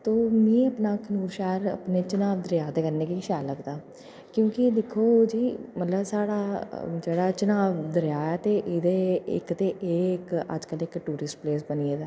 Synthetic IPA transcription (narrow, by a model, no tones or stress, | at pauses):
t̪oːmĩːəpnaːkʰənuːɾʃaːəɾə̰pneːt͡ʃənaːʋd̪əɾɪjaːt̪eːkəɾneːkiʃaːləɡd̪aː | kjõːkid̪ɪkʰoːd͡ʒiːmət̪ləbsaːɽaːd͡ʒeːɽaːt͡ʃənaːʋd̪əɾjaːaːt̪eʔɪd̪eːɪ̰kt̪eːʔɪkə̰d͡ʒkəlɪkʈuːɾɪsʈpleːsbənied̪aː